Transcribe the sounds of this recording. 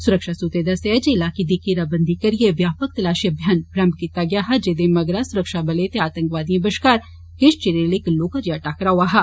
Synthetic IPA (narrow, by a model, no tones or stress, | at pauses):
sʊɾəkʃasuːt̪eːd̪ɐsed͡ʒeɪlaːkid̪ikiɾabɐ̃nd̪ʱikɐɾieʋjaːpək̚t̪ɐlaːʃiɐbʱjɐnɡɾɐmbkit̪aɡjaːɦɐd͡ʒed̪emɐɡɾasʊɾəkʃabɐlet̪eaːt̪ə̃ŋkʋaːd̪ijẽbɐʃkaːɾ | keʃt͡ʃeɾelekloːkad͡ʒjaʈaːkɐɾaɦoaɦa